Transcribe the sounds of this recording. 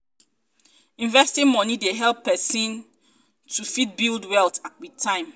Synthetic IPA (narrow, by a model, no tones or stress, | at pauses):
ĩnvɛstĩnmɔnideɦɛlˠpːɛsĩn | tʰufit̚bildwɛltʰatwitʰːãɪ̃m